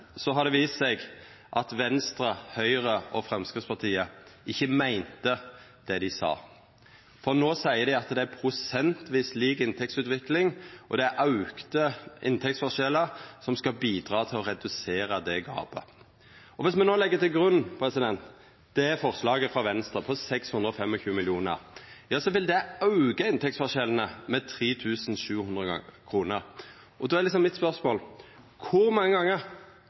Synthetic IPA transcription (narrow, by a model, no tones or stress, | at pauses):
sɔɦɑɾd̪ɛʋiːst̪sɛɡ | ʔɑt̪ʋɛnst̪ɾəhœʏʁəɔfɾɛmskɪt̪spɑt̪ʰiːəɪçːəmæɪnt̪ə | d̪̥ɛd̪ɪsɑ̰ː | fɔʁnoːsæɪəd̪ɪɑt̪d̪ɛæɾpʰɾʊsɛnt̪ʋiːsliːkɪnt̪ʰɛk̚tsʉːt̪ʋɪklɪŋʔɔd̪ɛæʔɑʉkt̪əʔɪ̰nt̪ʰɛk̚tsfɔʁʃɛləsɔmskɑbiːd̪ʁɑːt̪ʰɪlɔɾɛd̪ʉseːɾəd̪ɛɡɑ̰ːbə̰ | ɔʋɪsmɛnoːlɛɡːət̪ʰɪlɡɾʉnːpʰʁɛsɪd̪ɛnt̪ | d̪̥ɛfɔʁslɑːɡəfʁɑʋɛnst̪ɾəpʰɔsɛkshʉnd̪ɾəɔfɛmːɔçʉːmɪljuːnə̰ʁjɑːsɔʋɪld̪ɛɑʉɡəɪnt̪ʰɛktsfɔʂɛlən̩əmɛt̪ʰɾiːt̪ʰʉːsn̩ʃʉːhʉnd̪ʁəkʰʁuːnəɾ | ʔɔd̪oːæɛɾlɪksɔmːɪt̪spœʁsmoːl | kʰʊɾmɑŋːəɡɑŋːəɾ